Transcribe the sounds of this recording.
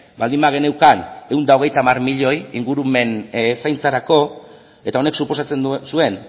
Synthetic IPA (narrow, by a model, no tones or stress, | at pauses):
bald̪imbaɣ̞e̞ne̞wkane̞und̪ao̞ɣ̞e̞jt̪aːmarmiʎo̞jiŋɡuɾume̞nsajnt͡saɾako̞ | e̞t̪ao̞ne̞ksupo̞sat͡se̞nsue̞n